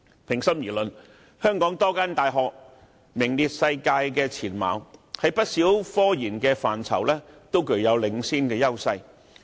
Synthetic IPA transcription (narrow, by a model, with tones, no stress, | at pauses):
pʰɪ˨˩ŋsɐ˥mjiː˨˩lɵ˨n | hœː˥ŋkɔː˨˥ŋt̪ɔː˥kaː˥nt̪aː˨jɦɔː˨k̚ | mɪ˨˩ŋliː˨t̚sɐ˧jkaː˧jkɛː˧t͡sʰiː˨˩nma̰ː˨˧whɐ˨˥jpɐ˥t̚siː˨˥wfɔː˥jiː˨˩nkɛː˧faː˨nt͡sʰɐ̰˨˩wlɛː˥t̪o˥wkɵ˨˩ɥjɐ˨˧wlɪ˨˧˥ŋsiː˥nkɛː˧jɐ˥wsɐ˧j